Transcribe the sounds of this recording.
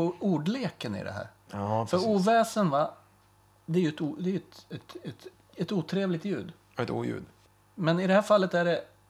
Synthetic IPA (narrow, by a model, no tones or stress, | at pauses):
uːɖleːkənɪ̰d̪ɛ̰ɦæ̰ːɾ | fœɾuːvɛːsənva | d̪ɛæɾjɵɛt̪uːd̪ɛæɾjɵɛt̪ɛt̪ɛt̪ | ɛt̪uːt̪ʰɾeːvlɪɡ̚t̪jʉ̟ːd̪ | ɛt̪ṵːjʉ̰ːd̪ | mɛnɪd̪ɛhæːɾfalːət̪æɖɛ